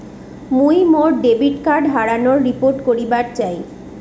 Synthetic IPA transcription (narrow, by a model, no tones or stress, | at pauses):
mujmoɾɖebiʈkaɾɖɦaɽanoɾːipoɾʈkoɾibaɾt͡ɕaj